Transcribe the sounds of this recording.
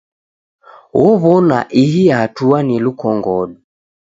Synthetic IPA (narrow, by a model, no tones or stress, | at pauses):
wɔβɔna̰ʔiɦijaːtuanilukɔŋɡɔɗu